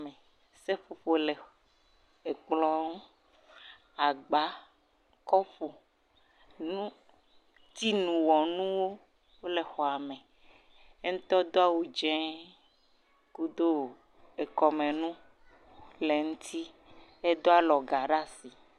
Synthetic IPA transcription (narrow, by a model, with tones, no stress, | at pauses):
me˨ | se˦ɸo˨ɸo˨le˨ | e˨k͡plɔ˦ŋũ˦ | a˨ɡ͡ba˦ | kɔ˦ɸo˨ | nũ˦ | t̪i˦nũ˨wɔ˨nũ˦wo˦ | wo˦le˨xɔ˨a˨mẽ˨ | e˦ŋ̩̃˦t̪ɔ˦d̪o˦a˦wu˦d͡ʒɛ̃˦ | ku˦d̪o˦ | e˨kɔ˨mẽ˨nũ˦ | le˨ŋũ˦t̪ʰi˦ | e˦d̪o˦a˦lɔ˨ɡa˨ɖa˦si˨